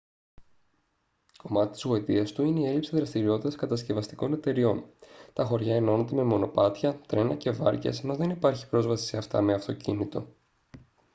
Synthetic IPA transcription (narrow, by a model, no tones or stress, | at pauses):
ko̞mɐt̪it̪i̥zɣo̞it̪iɐst̪uineie̞lipsiðɾɐst̪iɾio̞t̪it̪ɐskɐt̪ɐsce̞vɐst̪i̥ko̞ne̞t̪e̞ɾio̞nt̪ɐxo̞ɾʝɐeno̞ne̞t̪e̞me̞mo̞no̞pɐt̪çɐt̪ɾe̞nɐce̞vɐ̰ɾcḛsenozðenipɐɾçi̥pɾo̞zvɐsi̥seɐft̪ɐ̰me̞ɐft̪o̞cinit̪o̞̰